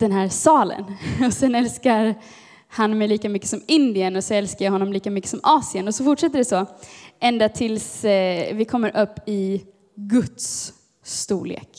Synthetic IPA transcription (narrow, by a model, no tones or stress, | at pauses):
d̪̥ɛnɦæːɾsɑːlə̰nɔsɛnɛlskaɾ | hanmɛjliːkamʏkːə̥sɔmɪnd̪ɪənɔsɔɛlskajɑhɔnːɔmliːkamʏkːə̥sɔmʔɑːsɪənɔsɔfʊʈʂɛt̪ːəɖɛsɔʔɛnd̪at̪ʰɪlsvɪkʰɔmːəɾʔɵpːɪ | ɡɵt̪sː | t̪ṵːɭḛːk